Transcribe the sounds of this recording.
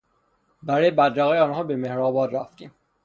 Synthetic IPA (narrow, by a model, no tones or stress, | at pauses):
bæɾɒːjebæd̪ɾæɣeːjeɒːnɦɒːbemehɾɒːbɒːd̪ɾæft̪ḭːm